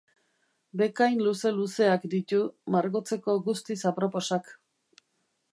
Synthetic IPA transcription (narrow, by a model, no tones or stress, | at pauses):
be̞kajnluse̞luse̞akd̪it̪umaɾɣo̞t͡se̞ko̞ɡust̪isapɾo̞po̞sak